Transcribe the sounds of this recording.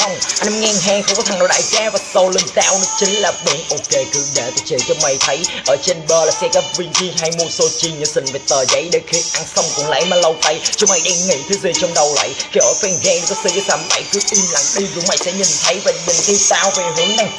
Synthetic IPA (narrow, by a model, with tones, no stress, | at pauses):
xə˧wŋ͡mʔa˧nʔɛ˧mŋɛ˧ŋɦaː˧ŋxŋ͡mkɔ˨˦t̪ʰa˨˩ŋnɗɗa̰ː˧˨jzaː˧vaː˨˩sə˧wli˧ŋzaː˧wnɔ˨˦t͡ɕï˨˦ŋ̟laː˨˩ɓi˨˩nʔo˧ke˧kɨ̰˧˩ɗe˨˩t̪ə˨˩t͡ɕi˨˩t͡ɕɔ˧ŋ͡mma˧˩jt̪ʰə˨˦jʔəː˧˩t͡ɕe˧nɓəː˧laː˨˩sɛ˧kaː˦vi˧nt͡ɕi˧ɦa˧jmu˧əso˧t͡ɕi˧nɲɨ˧˦sï˧˩ŋve˨˩t̪əː˨˩zə̰˧˦jɗe˨˩xi˧˩ən̚ʔa˧nsə˧wŋ͡mkʊ̰˧˩ŋ͡mla̰˧˥jmaː˨˩lə˧wt̪a˧jt͡ɕŋ͡mma˧jɗa˧ŋŋḭ˧˩t̪ʰɨ˨˦zi˧˩ət͡ɕɔ˧wŋ͡mɗə˨˩wlə̰˧˨jkʔəː˧˩fɛ˧nɣɛ˧n˨˩kɔ˨˦sɨ˧˩kə˨˦szaː˨˦mɓa̰˧˩jt͡ɕi˦˥ək̚ʔi˧mla̰˧˩ŋɗi˧zʊ˨˧˦ma˧˩jsɛ̰˧˥ɲi˨˩nt̪ʰə˨˦jvaː˨˩ɲi˨˩ŋki˧˦t̪aː˧wve˨˩ɦi˨˦ənna˧˩j